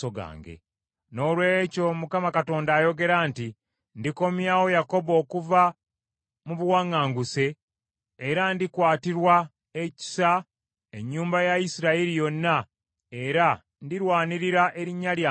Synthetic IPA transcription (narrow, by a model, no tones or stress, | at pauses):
oɡa̰ːŋɡe̞̰ | no̞ːlwe̞co̞mukamakato̞ːndaːjo̞ɡe̞ɾaːnti | ndiko̞mjaːwo̞jako̞bo̞ːkuva | muβuwaŋːaːŋɡuse̞ː | ɾandikwaːtiɾwa | eci̥sa | eɲːuːmbajaisiɾaiɾijo̞nːa | e̞ɾa | ndiɾwaːniɾiɾaʔe̞ɾiɲːalja